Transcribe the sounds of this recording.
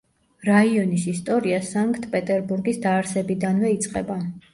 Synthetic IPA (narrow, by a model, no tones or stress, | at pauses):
ɾaiɔnisist̪ʼɔɾiasaŋkʰʼt̪ʰpʼɛt̪ʼɛɾbuɾɡisd̪aːɾsɛbid̪anvɛit̪sʼqʼɛba